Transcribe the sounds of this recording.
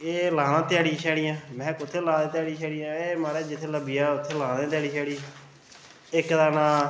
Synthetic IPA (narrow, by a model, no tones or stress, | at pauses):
eːlãːnãːt̪ɪjaːɽiːʃʰɛːɽiːjãːmɛ̃ːkʊt̪ʰːeːlãːd̪ẽːt̪jaːɽiːʃʰɛːɽijãːeːmaːɾeːd͡ʒɪt̪ʰːeːləbiːaːʊt̪ʰːeːlãːd̪ẽːt̪jaːɽiːʃʰɛːɽiː | ɪkd̪aːnãː